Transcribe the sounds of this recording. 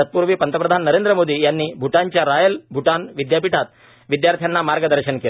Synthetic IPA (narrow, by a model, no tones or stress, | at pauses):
ɐt̪̚puːɾʋipɐnt̪ɐpɾɐd̪ʱaːnːɐɾeːnd̪ɾɐmoːd̪ijaːnːibʱuʈaːɲt͡ʃaɾaːjɐlbʱuʈaːnʋid̪jaːpiʈʰaːt̪̚ | ʋid̪jaːɾt̪ʰjanːamaːɾɡɐd̪ɐɾʃɐnki